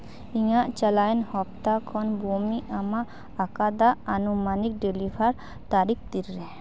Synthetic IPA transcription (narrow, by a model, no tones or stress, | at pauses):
ijaʔt͡ʃəlaenhɔpt̪akʰɔnbomiʔamaʔː | kad̪aɐnumanik̚ɖelibaɾ | t̪aɾik̚ʰt̪iɾːɛ